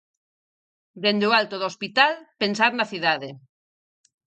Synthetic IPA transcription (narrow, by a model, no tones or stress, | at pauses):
d̪end̪oalt̪oðospit̪alpensaɾnaθiðaðe